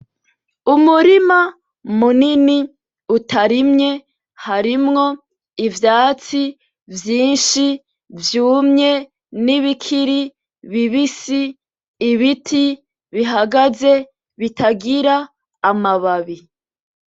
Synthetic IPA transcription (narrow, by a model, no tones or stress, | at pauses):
umuɾima | munini | utaɾimɲe̞ | haɾimŋo̞ | ivjaːt͡si | vjiːnʃi | vjuːmɲe | niβikʰiɾi | βiβisiː | βitʰi | βiɦaɡaze̞ | βitaɡiɾaː | maβaβi